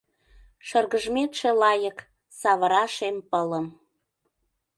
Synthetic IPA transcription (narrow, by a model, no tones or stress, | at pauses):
ʃərɣəʒmet̪ʃelɑjək | sɑβəɾɑʃempələm